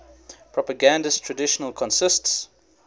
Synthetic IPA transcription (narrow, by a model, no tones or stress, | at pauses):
pʰɹ̥ɔpəɡãndəstʰɹədɪʃənəlˠkʰɔ̃nsɪsts